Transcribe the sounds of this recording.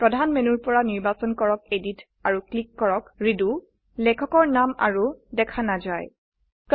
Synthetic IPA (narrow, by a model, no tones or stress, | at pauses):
pɹɔdʱanmenuɹpɔɹaniɹbasɔnkɔɹɔkedit | aɹuklikːɔɹɔkɹidu | lɛkʰɔkɔɹnama̰ɹudɛkʰanazaj | k